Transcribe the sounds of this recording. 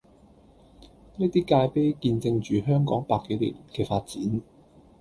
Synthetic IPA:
neː˥t̪iː˥kaː˧jpe˥jkiː˧nt͡sɪ˧ŋt͡ʃyː˨˩ɦœː˥ŋkɔː˨˥ŋpaː˧kːe˨˥jlḭ˨˩nkɛː˧faː˧t̚t͡siː˨˥n

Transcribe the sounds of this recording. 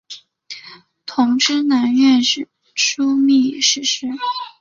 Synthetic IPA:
t̪ʰʊ˧˥ŋʈ͡ʂɻ̩˥na˧˥nɥɛ˥˧nʂɻ̩˥˩ | ʈ͡ʂʰu˥mi˥˩˨ʂɻ̩˥˩ʂɻ̩˥˩

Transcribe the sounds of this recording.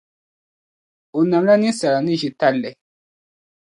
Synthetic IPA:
o˨nã˨mɾa˦nĩ˦sa˨ɾa˨nĩ˦ʒi˨ta˦lɛ˨

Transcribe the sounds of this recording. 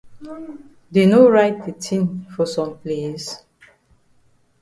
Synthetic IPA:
deno˦ɹaɪt̚de˨tʰĩ˦nfɔ˨sɔ̃˨mples

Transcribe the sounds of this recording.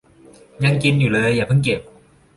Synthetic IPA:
ɲa˧ŋki˧njuː˨˩lɤː˧jːaː˨˩pʰɯ˧˥˩nke˨˩p̚

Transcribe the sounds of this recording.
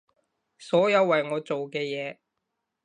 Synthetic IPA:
sɔː˨˥jɐ˨˧wːɐ˨jŋɔː˨˧t͡so˨wkɛː˧jɛː˨˧

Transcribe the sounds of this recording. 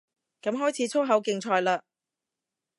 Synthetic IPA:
kɐ˨˥mɦɔː˥jt͡sʰiː˨˥t͡sʰʊ˥ɦɐ˨˥wkɪ˧ŋt͡sʰɔː˧jlaː˧

